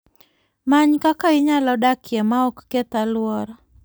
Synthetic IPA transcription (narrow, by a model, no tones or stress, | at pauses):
maɲkakaɪɲalɔdakjɛmaɔkːet̪alwɔɾɔ